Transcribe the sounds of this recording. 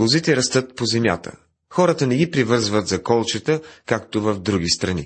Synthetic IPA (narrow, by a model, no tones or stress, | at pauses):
ozit̪ɛɾɐst̪ɤt̪̚pozɛmja̰t̪ə̰ | xɔɾət̪ənɛɡʲipɾivɤɾzvət̪zɐkɔlˠt͡ʃət̪əkak̚t̪ovɐvd̪ɾuɡ̟ist̪ɾɐnḭ